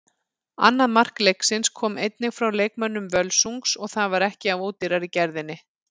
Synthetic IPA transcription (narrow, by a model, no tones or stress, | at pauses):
a̰nːaðmar̥klejksɪnskʰɔːmejt̪nɪɣfɾawleːjk̚mœnːʏmvœlsuŋksɔɣθaðvaɾɛhcɪavoːwt̪ɪɾaɾicɛɾðɪnːɪ